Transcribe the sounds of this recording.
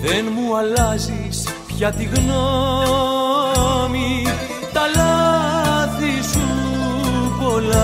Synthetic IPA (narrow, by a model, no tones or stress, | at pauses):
ðenmuɐlɐzis | pçɐt̪iɣno | mi | t̪ɐlɐ | θisu | po̞lɐ